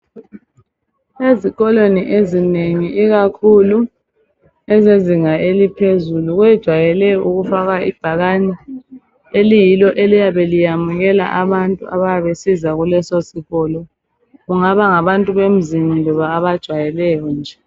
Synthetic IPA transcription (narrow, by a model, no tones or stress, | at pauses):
eziɣɔleniʔezineŋiʔiɣakʰulu | ɛzeziŋaelipʰezuluɣwɛd̥ʒ̥ʱwajɛlɛjɔʔuɣufaɣaib̥ʱaɣani | elijilɔʔelijaβelijamuɣɛla̰ʔaβantʼṵa̰βajaβesizaɣulɛsosiɣɔlɔ | ɣuŋaβaŋaβantʼuβem̩zimilɔβaːβad̥ʒ̥ʱwajɛlɛjɔnd͡ʒʱɛ